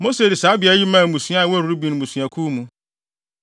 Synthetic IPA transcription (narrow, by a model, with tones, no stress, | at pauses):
mo˦se˨dɪ˨saː˨˦bɪ˨a˨˦ji˦mã˦˨mũ˨sɥa˦˨wɔ˦˨ɾu˨ɾu˦bĩ˨n˨mũ˨sɥ̃a˨kʰuː˦mũ˦